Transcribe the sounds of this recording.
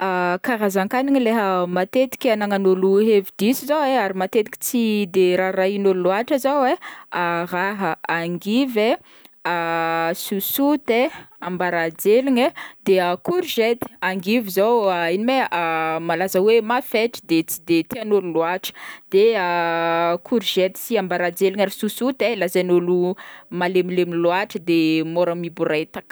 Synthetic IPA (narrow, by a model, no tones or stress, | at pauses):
akaɾazaŋkaniŋileɦəmat̪et̪i̥kʲanaŋanoluɦevid̪isizaweaɾimat̪et̪i̥kʲi̥t͡sid̪eɾaɾainoluluaʈ͡ʂazawearaɦəaŋɡive | susut̪eambaɾad͡zeliɲed̪eəkuɾʒet̪i̥aŋɡivizowainimeamalazəwemafeʈ͡ʂi̥d̪et͡sid̪et̪ianolulwaʈ͡ʂə̥d̪̥eə | kʰuɾʒet̪i̥siambaɾad͡zeliŋaɾisusut̪elazanulumalemilemilwaʈ͡ʂəd̪emoɾəmibuɾat̪ak